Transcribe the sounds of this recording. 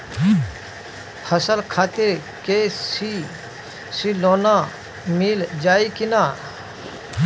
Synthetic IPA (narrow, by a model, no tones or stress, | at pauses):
həsəlkʰaːt̪iɾ | kesi | siloːna | mild͡ʒaːikinaːɾ